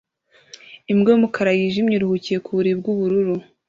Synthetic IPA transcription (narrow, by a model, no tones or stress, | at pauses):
imɡomukʰaɾajiʒimɲiɾuhucije̞kuβuɾib̚ɡuβuɾuɾu